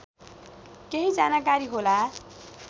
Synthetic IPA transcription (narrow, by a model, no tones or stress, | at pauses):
keɦid͡zanakaɾiɦola